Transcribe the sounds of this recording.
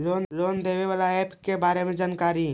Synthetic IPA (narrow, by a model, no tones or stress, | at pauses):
lonlond̪eβeβalaepkebaɾemed͡ʒankaɾi